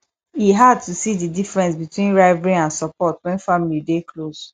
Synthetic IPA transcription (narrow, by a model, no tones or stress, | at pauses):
iɦad̚tusididifɹɛ̃nsbitwĩnɹaɪvɹĩnãnsɔpɔtwɛ̃nfamilideklos